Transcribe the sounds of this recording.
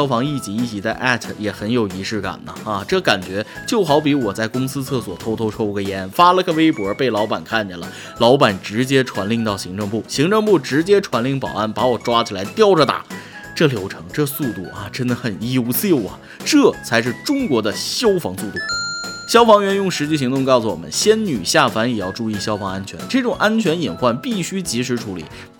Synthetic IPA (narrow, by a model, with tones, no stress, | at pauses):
ɑ˥ʊfɑ˧˥ŋi˥˩t͡ɕi˧˥i˥˩t͡ɕʰi˧˥˩t͡sa˥˧ɪʔa˥˩t̪ʰjɛ˨˩xə˧˥njo˨˩ʊi˧˥ʂɻ̩˥˩ka̰˨˩nnə˦a˧ʈ͡ʂɤ˥˩ka˨˩nt͡ɕɥɛ˧˥t͡ɕjo˥˩ʊxɑ˧˥ʊpi˧˥wɔ˨˩t͡sa˥˩ɪkʊ˥ŋsɹ̩˥t͡sʰɤ˥˩swɔ˨˩t̪ʰo˥ʊt̪ʰo˥ʊʈ͡ʂʰo˥ʊɡə˧jɛ˧˥nfa˥lə˧ɡə˥˧we˥ɪpwɔ˨˥pe˥˩ɪlɑ˧˥ʊpa˨˩nkʰa˥˩nt͡ɕɛ˨˩lə̰˩ | lɑ˧˥ʊpa˨˩nʈ͡ʂɻ̩˧˥t͡ɕjɛ˥ʈ͡ʂʰwa˧˥nli˥˧ŋt̪ɑ˥˩ʊɕi˧˥ŋʈ͡ʂɤ˥˧ŋpu˥˩ɕi˧˥ŋʈ͡ʂɤ˥˧ŋpu˥˩ʈ͡ʂɻ̩˧˥t͡ɕjɛ˥ʈ͡ʂʰwa˧˥nli˥˩ŋpɑ˨˩ʊa˥˩npa˧˥wɔ˨˩ʈ͡ʂwa˥t͡ɕʰi˨˩la˧˥ɪt̪jɑ˥˧ʊʈ͡ʂə˨t̪a̰˨˩˦ | ʈ͡ʂɤ˥˩ljo˧˥ʊʈ͡ʂʰɤ̰˧˥ŋʈ͡ʂɤ˥˧su˥˧t̪u˥˩ɐ˩ʈ͡ʂə˥nd̪ə˨xə˨˩no˧˥˩ʊsji˥˩ʊɐ̰˩ | ʈ͡ʂɤ˥˩t͡sʰa˧˥ɪʂ̬ɻ̩˥˩ʈ͡ʂʊ˥ŋkwɔ˧˥d̪ə˧ɕjo˥ʊfɑ̰˧˥ŋsu˥˧t̪u˥˩ɕjɑ˥ʊfɑ˧˥ŋɥɛ˧˥njʊ˥˩ŋʂɻ̩˧˥t͡ɕi˥˩ɕ̬i˧˥ŋt̪ʊ˥˧ŋkɑ˥˩ʊsu˨˩wɔ̰˨˩mə̰˦nɕjɛ˥nny˨˩ɕja˥˩fa˧˥njɛ˨˩jɑ˥˧ʊʈ͡ʂu˥˧i˥˩ɕjɑ˥ʊfɑ˧˥ŋa˥nt͡ɕʰɥɛ̰˧˥nʈ͡ʂɤ˥˩ʈ͡ʂʊ˨˩ŋʔa˥nt͡ɕʰɥɛ˧˥ni˨˩nxwa˥˧npi˥˩ɕy˥t͡ɕi˧˥ʂ̬ɻ̩˧˥ʈ͡ʂʰu˧˥lḭ˨˩˦